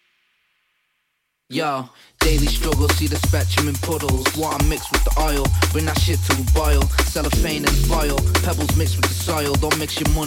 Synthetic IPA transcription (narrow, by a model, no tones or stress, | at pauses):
ja | d̥eɪlistɹ̥ʌɡəl̩ˠsiðəspɛt͡ʃə̃mɨ̃npʰʊɾl̩ˠzwɔə̃mɪkst̚wɪðiʔaɪlˠb̥ɪnaʃɪtʰəwəbaɪlˠsɛlˠəfẽɪ̃nɨ̃sfaɪlˠpʰɛbl̩ˠzmɪks̚wɨðəsaɪlˠðəmɪksjəmʊ